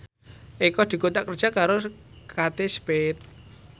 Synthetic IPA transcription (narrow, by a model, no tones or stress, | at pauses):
ikɔd̪̥i̤kot̪aʔkərd̥ʒ̥a̤kaɾokat̪espet̪̚